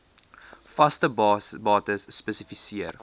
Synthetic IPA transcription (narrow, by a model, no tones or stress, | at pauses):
fɐstəbbɑːtəsːpəsifisiər